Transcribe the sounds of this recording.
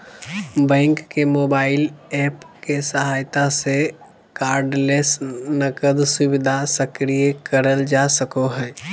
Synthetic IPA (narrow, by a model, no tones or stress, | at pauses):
bɛ̃ːŋkːemoːbaːɪlɛːpkesəɦaːjt̪ase | kaːɾɖleːsnəkəd̪sʊbɪd̪ʱasəkɾijəkəɾəld͡ʒasəkoɦɛ̃ː